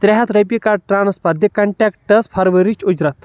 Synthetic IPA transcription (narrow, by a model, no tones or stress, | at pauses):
t̪ɾʲɛɦɐt̪ɾɐp̬ikaʈɾaːnɐspɐɾd̪ikɐɳʈɛːkʈɐspʰɐɾʋɐɾit͡ʃud͡ʒɾɐt̪